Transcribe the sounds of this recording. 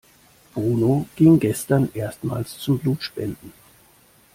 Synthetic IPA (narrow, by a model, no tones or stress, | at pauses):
b̥ʁuːnoɡ̥ɪŋɡɛstɐnʔeːɐstma̰ːlst͡sʊmbluːtʃpɛndn̩